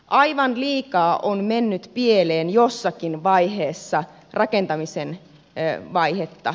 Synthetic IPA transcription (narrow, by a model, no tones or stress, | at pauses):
ʔɑjʋɑnliːkɑːʔonmenːyt̪pieleːnjosːɑkinʋɑjɦeːsːɑ | rʔɑkent̪ɑmisen | ʋɑihet̪ːɑ̰